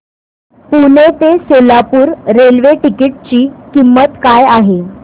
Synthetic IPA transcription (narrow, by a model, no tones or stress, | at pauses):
punet̪esolapuːɾɾelʋeʈikiʈ̚t͡ɕiːkimːət̪kajaɦe